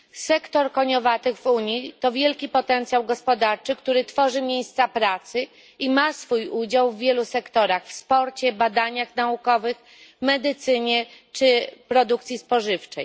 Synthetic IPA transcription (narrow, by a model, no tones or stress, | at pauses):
sɛkt̪ɔɾkɔɲɔvat̪ɘɣvuɲit̪ɔvʲjɛlkʲipɔt̪ɛnt̪sʲjawɡɔspɔd̪aɾt͡ʂɘkt̪uɾɘt̪fɔʐɘmʲjejst̪sapɾat̪sɘ | imasfujud͡ʑawvːʲjɛlusɛkt̪ɔɾaxfspɔɾt͡ɕɛbad̪aɲaxnaukɔvɘx | mɛd̪ɘt̪sɘɲɛt͡ʂɘpɾɔd̪ukt̪sʲjispɔʐɘft͡ʂɛj